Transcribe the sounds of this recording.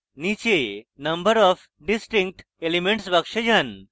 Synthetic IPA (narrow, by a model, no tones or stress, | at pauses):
nit͡ɕenəmbəɾɔf | ɖisʈiŋk̚ʈ | elimeɳʈsbakʂed͡ʑan